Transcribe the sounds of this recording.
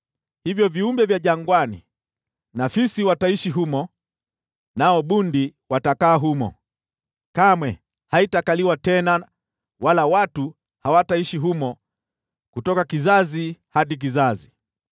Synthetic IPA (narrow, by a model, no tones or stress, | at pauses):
hivjɔviumbɛvjaʄaŋɡwanḭ | nafisiwataiʃiɦumɔ | naɔɓundiwatakaːɦumɔ̰ | kamwɛ | haitakaliwatɛna | walawatu | hawataiʃiɦumɔ | kutɔkakizazihaɗik̬izazi